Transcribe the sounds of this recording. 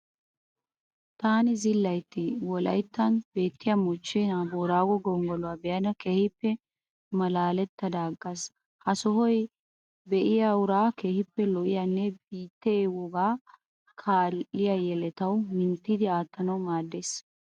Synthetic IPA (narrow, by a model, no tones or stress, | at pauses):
t̪aːnɪzɪlːɐjt̪ːɪwɔlɐ̰jt̪ːɐnbe̞ːt̪ːɪjɐmɔt͡ʃːeːnaboːɾaːɡɔɡɔŋɡɔlɔwabɛjɐnɐkeːhɪpːɛ | mɐlaːlɛt̪ːɐd̪aːɡːɐs | hɐsɔhɔj | bɛʔɪjaʊɾaːke̞ːhɪpːɛlɔʔɪjanːɛbiːt̪ːewɔɡaː | kʰaːlːɪjajɛlɛt̪ɐwmɪnt̪ːid̪ɪaːt̪ːɐnɐwmaːd̪ːeːs